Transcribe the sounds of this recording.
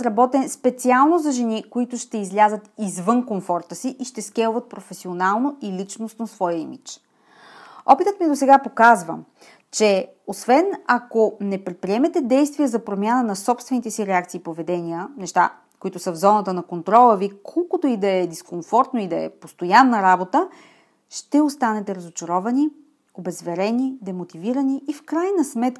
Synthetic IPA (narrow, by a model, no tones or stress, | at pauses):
ɾɐbɔt̪ɛnspɛt̪sialˠnozɐʒɛnikoit̪ʊʃt̪ɛizlʲazət̪izvɤnkoɱfɔɾt̪əsiʔiʃt̪ɛsk̟ɛlˠʊvət̪̚pɾofɛsionalˠnoilit͡ʃnosnosvɔjəimit͡ʃ | ɔ̰pit̪ət̪miɛd̪osɛɡapokazvə̰ | t͡ʃɛ | osvɛnɐkonɛpɾɛt̪̚pɾiɛmɛt̪ɛd̪ɛjst̪vijəzɐpɾomʲjanənɐsɔpst̪vɛnit̪ɛsiɾɛakt̪siːpovɛd̪ɛniənɛʃt̪a̰ | koit̪ʊsəvzɔnət̪ənɐkont̪ɾɔlˠəvikʰɔlˠkot̪oid̪ɐɛd̪iskoɱfɔɾt̪noid̪ɐɛ̰post̪ojanːəɾabot̪ə | ʃt̪ɛost̪anɛt̪ɛɾɐzot͡ʃɐɾɔvɐni | obɛzvɛɾɛnid̪ɛmot̪iviɾəniːfkɾajnəsmɛt̪